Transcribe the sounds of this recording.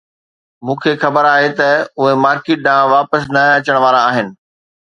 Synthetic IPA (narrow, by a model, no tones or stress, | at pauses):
mũːkʰexɐbəɾaːɦet̪ɐʊɦemaːɾkeːʈ̚ɗãːʋaːpəsnɐɐt͡ɕəɽ̃ʋaːɾaːɦɪnɪ̆